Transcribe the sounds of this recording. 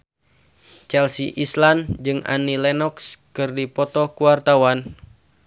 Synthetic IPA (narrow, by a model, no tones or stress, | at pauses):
t͡ʃɛlsiʔisland͡ʒɨŋa̰nilɛnɔkskɨrdipɔt̪ɔkuwart̪awan